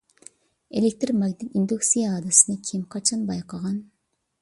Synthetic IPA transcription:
elek̚ʲt̪ɾmɑɡʲd̪ɪt̪ind̪uksijɛɑd̪ɨsɨnɨkʲʰimqʰɑt͡ʃʰɑnbɑjqʰɑʁɑn

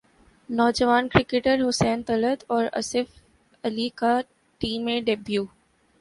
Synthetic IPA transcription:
nɔːd͡ʒəʋaːnkɾɪkeʈəɾɦʊsɛ̃ːnt̪ələd̪ɔːɾɐ̰sɪf | ɐlika | ʈĩːmːẽɖebjuː

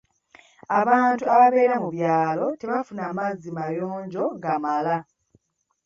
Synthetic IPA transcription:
aβaːntuaβaβe̞ːɾamuβjaːlo̞te̞βafunamazimajoːɲɟo̞ɡamala

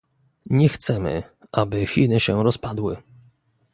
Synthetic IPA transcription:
ɲɛxt̪sɛmɘ̰ | ʔabɘxʲinɘɕɛɾɔspad̪wɘ

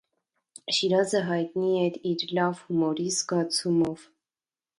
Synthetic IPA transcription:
ʃiɾɑzəɦɑjt̪niɛɾiɾlɑvhumɔɾizɡɑt͡sʰumɔv

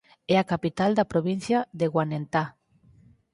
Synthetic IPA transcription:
ɛakapit̪ald̪apɾoβin̟θjaðeɣwanent̪a

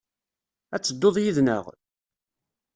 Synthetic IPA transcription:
æt͡sːəd̪ːoðˤjiðnə̰ʁ

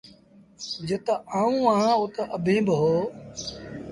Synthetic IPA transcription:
d͡ʒət̪aaːũːãːot̪aʔəbʱẽːbɦoː

